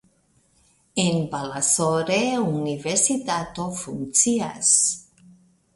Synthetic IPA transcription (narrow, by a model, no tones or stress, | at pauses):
embalasoɾeuniβeɾsit̪at̪ofunt͡sia̰s